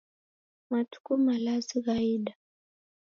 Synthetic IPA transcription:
matu̥kumalaziɣaiɗa

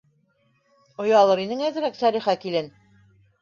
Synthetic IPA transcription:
ŏjɑlˠɤɾinɘŋæzɘ̆ɾæksæɾiχækilɘn

